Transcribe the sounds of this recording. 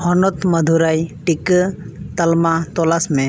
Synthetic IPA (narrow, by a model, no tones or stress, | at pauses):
hɔnɔt̪məd̪ʱuɾajʈik | t̪ɐlmat̪ɔlasmɛ̃